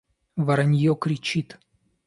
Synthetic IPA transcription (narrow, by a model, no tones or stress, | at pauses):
vaɾanʲjɔkɾʲit͡ɕit̪